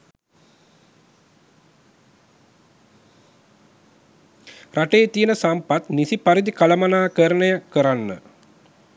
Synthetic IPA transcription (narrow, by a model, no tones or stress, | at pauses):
raʈeːt̪ijənəsampat̪nisipaɾid̪ikaləmanaːkəɾənəjəkəɾanːə̰